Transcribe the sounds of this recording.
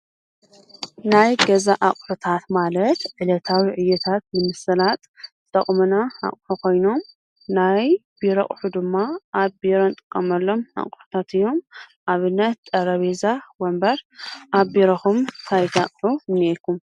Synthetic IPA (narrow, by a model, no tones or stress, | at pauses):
najɡɐzaʔakʼħut̪ʰat̪malɐt̪ʕɨlɐt̪ʰawiʕɨjːɐt̪ʰat̪̚mɨmɨsɐlat̪ʼ | t̪ʼɐχʼmunaa̰χʼħukʰo̞jno̞m | najbiɾɐχʼħud̪ɨmːaʔːβbeɾont̪ʼɨ̥kʼːɐmɐlːo̞ma̰kʼħu̥t̪ʰat̪ɨjːo̞mʔaβɨnːɐt̪̚t̪ʼːɐɾɐβezawɐmbɐɾʔaβbeɾɐxumt̪ʰajt̪ʰakʼħumɨnːelkʰum